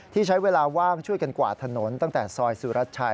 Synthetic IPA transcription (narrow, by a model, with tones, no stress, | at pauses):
t̪ʰiː˥˩t͡ɕʰa˦˥jweː˧laː˧waː˥˩ŋt͡ɕʰu˥˩əjka˧nkwa̰ː˨˩t̪ʰa˧no˩˦nt̪a˥˩ŋt̪ɛː˨˩sɔː˧jsuː˨˦ɾa˦˥t̪̚t͡ɕʰa˧